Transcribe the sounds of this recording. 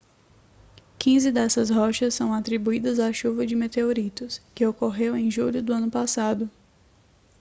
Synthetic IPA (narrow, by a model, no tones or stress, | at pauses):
kĩzɪd̪ɛsɐsɦɔʃɐsːɐ̃w̃at̪ɾibuid̪ɐzaʃuvɐd͡ʒɪmet̪eoɾit̪ʊskɪokoɦewẽj̃ʒuʎʊd̪ʊɐ̃nʊpasad̪ʊ